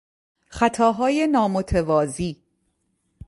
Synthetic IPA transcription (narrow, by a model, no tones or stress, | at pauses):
χæt̪ʰɒːɦɒːje̞nɒːmot̪ʰevɒːziː